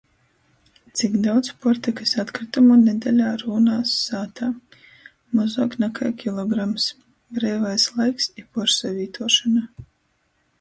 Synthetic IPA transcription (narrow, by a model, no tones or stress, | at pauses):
t̪sikd̪awd̪spɔɾt̪ikɨsat̪kɾit̪amuned̪ɛlʲaːɾuːnaːsːaːt̪aː | mɔzoːknakʰa̰jkʲilˠɔɡɾams | bɾɛːvajslˠajksipɔɾsavʲiːt̪ʰuɔʃana